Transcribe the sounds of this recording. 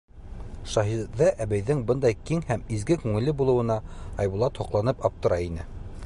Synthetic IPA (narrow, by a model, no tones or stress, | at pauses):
ʃɑɦiðɑʔæβæjðɘŋbɤnd̪ɑjkiŋhæmizɡɘkʉŋɘ̆lɘbulˠɤ̆wɤ̆nɑɑjβulˠɑt̪hŏqlˠɑnɤpɑp̚t̪ɤ̆ɾɑinɘ